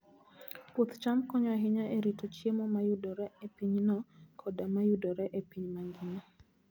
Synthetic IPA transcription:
pot̪t͡ʃamkɔɲɔaɦɪɲaʔeɾitot͡ʃjemɔmajudɔɾɛepiɲnɔkʰɔdamajudɔɾɛʔepiɲmaŋɡɪna

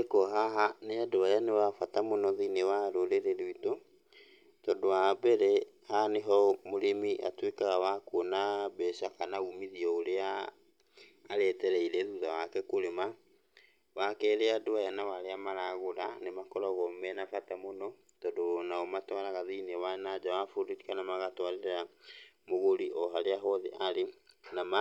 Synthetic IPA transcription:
ekɔɦaɦaneadoajanewafatamonɔðinewaɾoɾeɾeɾuito | tɔdowabɛɾɛ | haneɦɔmoɾemiʔa̰twekaɣawakonabɛʃakanaumiðiɔoɾea | ɾɛtɛɾɛiɾɛðuðawakɛkoɾema | wakɛɾeadoajanawaɾeamaɾaɣoɾanemakɔɾɔɣɔmɛnafatamonɔ | tɔdonaɔmatwaɾaɣaðinewanad͡ʒawafoɾiɾikanamaɣatwaɾeɾeɾamoɣoɾiʔɔɦaɾeaɦɔðeʔaɾenama

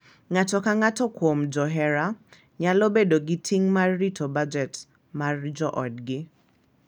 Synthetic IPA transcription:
ŋatɔkaŋatɔkwomd͡ʒɔɦɛɾa | ɲalɔbedoɡɪtʰiŋmarːitʰobad͡ʒɛt | mard͡ʒɔʔɔdɡɪ

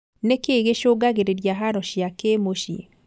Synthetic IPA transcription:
nekeɣeʃoɡaɣeɾeɾjaɦaɾɔʃjakemoʃi

